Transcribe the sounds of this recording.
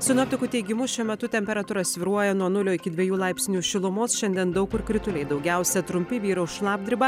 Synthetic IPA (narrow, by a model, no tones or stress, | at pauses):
sʲʊnoːpʲt̪ʲɪkuːt̪ʲɛɪɡʲɪmʊʃʲuɔmʲɛt̪ʊt̪ʲɛmʲpʲɛɾɐt̪uːɾɐssʲʋʲɪɾuɔjɛnuɔnʊlʲoːɪkʲɪd̪ʲʋʲiɛjuːlˠɑɪpʲsʲnʲuːʃʲɪlˠʊmoːsʃʲɛnʲd̪ʲiɛnd̪ɐʊkʊɾkɾʲɪt̪ʊlʲɛɪd̪ɐʊɡʲæˑʊsʲɛt̪ɾʊmʲpʲɪʋʲiːɾɐʊʃlˠɑːb̚ʲd̪ʲɪɾʲɪbɐ